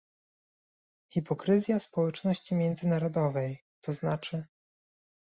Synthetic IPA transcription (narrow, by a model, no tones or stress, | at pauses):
xʲipɔkɾɘzʲjaspɔwɛt͡ʂnɔɕt͡ɕimʲjɛnd̪zɘnaɾɔd̪ɔvɛj | t̪ʰɔznat͡ʂɘ